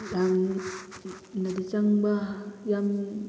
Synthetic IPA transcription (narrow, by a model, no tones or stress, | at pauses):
jaŋ | nadit͡ʃaŋbahjam